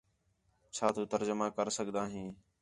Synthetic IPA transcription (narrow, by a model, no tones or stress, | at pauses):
t͡ʃʰaːt̪ʰũːt̪əɾd͡ʒəmaːkəɾsəɠd̪aːɦĩː